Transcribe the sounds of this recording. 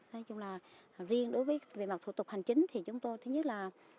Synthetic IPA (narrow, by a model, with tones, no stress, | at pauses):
nɔ˨˦t͡ɕʊ˧ŋ͡mlaː˨˩zi˧ənɗo˨˦jvəː˨˦jvḛ˧˨˩ma˨˩t̚t̪ʰṵ˧˩t̪ʊ˨˩k͡p̚ha˨˩jŋ̟t͡ɕï˨˦ŋ̟t̪ʰi˨˩t͡ɕʊ˨˦ŋ͡mt̪o˧jt̪ʰɨ˨˦ɲə˦˥laː˨˩